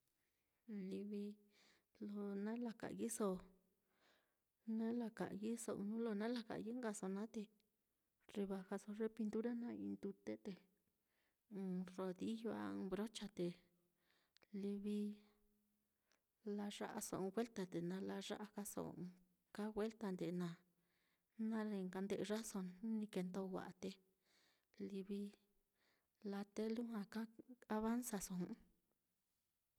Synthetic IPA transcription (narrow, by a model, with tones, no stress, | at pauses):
li˧βi˧ | lo˧nã˦la˧ka̰˨ʔji˦so˧ | nã˦la˧ka̰˨˧ji˦so˧ʔnũ˦lo˧nã˦la˧ka̰˨˧ji˦ŋ˦ɡa˧so˧nã˦t̪e˧ | ri˧βa˧ka˧so˧ʐe˦pi˧nt̪u˦ɾa˦nã˦ḭ̃˧nd̪u˧t̪e˦t̪e˨˧ | ro˧ði˦jo˧a̰˦˧bɾo˦t͡ʃa˧t̪e˨ | li˧βi˧ | la˧ʐa̰˦ʔa˧sõ̰˨˧ɡwe˦lt̪a˧t̪e˨nã˧la˧ʐa̰˦ʔa˧ka˦so̰˨˧ | ka˦ɣwe˦lt̪a˧nd̪e˨˧nã˨˧ | nã˦ɾe˧ŋka˧nd̪e˧ʔʐa˦so˧n˦nĩ˧ke˧nd̪o˦˧wʷa̰˨ʔa˧t̪e˧ | li˧βi˧ | la˧t̪e˦lu˦ɦã˧ka˦a˧βa˦nsa˧sõ˨˦